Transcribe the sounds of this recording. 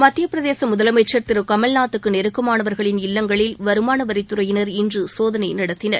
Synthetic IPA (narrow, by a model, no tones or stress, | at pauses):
mɐt̪ːɪjɐpɯɾɐðeːsɐmʊðɐlɐmɐɪt͡ʃːɐɾt̪ɪɾɯkɐmɐlnaːt̪ːɯkːɯnɛɾɯkːɐmaːnɐʋɐɾɣɐɭɪnɪlːɐŋɡɐɭɪlʋɐɾɯmaːnɐʋɐɾɪt̪ːɯɾɐjɪnɐɾɪndrɯsoːðɐnɐɪnɐɽɐt̪ːɪnɐɾ